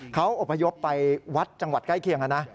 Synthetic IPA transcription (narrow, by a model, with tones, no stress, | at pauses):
kʰa˦˥wʔo˨˩pʰːa˧jo˦˥pːa˧jwa˦˥t̪̚t͡ɕa˧ŋwa˨˩t̪̚kla˥˩jkʰi˧əŋʔa˧˩na˦˥